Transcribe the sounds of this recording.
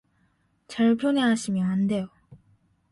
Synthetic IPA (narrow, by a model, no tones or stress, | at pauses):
t͡ɕaɾpʰjone̞ɦaɕʰimjʌnande̞jo